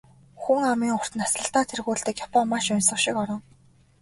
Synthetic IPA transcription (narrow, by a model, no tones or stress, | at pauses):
xuŋamiːŋʊr̥t̪ɘ̆nasɮə̆ɬt̪aːt̪ʰerɣuːɬt̪ɘ̆kjapɔmːaʃʊnsə̆χʃɪkɔɾɞ̆ŋ